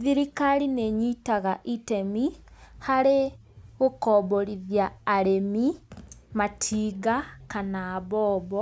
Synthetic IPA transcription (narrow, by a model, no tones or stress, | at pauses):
ðiɾikalineɲitaɣaʔitemihaɾe | ɣokɔβoɾiðjaːɾemimatʰiɡakanaːβɔβɔ